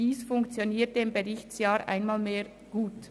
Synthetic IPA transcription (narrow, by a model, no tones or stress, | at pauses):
iːsfʊŋkt͡sjoniːtdeɪmbeʁɪçtsjaːɾʔa̰ɪnmaːlmeːɾ | ɡ̥uːt